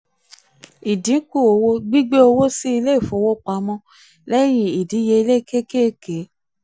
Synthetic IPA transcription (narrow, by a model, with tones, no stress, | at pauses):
i˨dĩ˨˦ku˦˨o˧wo˦ɡ͡bi˦ɡ͡be˦o˧wo˦si˦i˧le˦i˦˨fo˨˦wo˦k͡pa˨˧˦mɔ̃˧ | lɛ˦j̃ĩ˧i˨di˨˦je˧i˧le˦ke˦ke˦ke˨˦